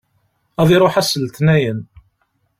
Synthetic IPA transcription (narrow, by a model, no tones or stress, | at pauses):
æðˤiɾˤoħæsəlt̪næjən